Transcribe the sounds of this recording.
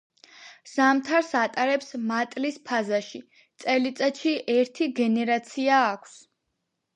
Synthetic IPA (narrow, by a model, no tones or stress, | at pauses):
z̥amt̪ʰaɾsat̪ʼaɾɛpsmat̪ʼlispʰazaʃi | t̪sʼɛlit̪sʼaʃiʔɛɾt̪ʰiɡɛnɛɾat̪sʰiaːkʷʰs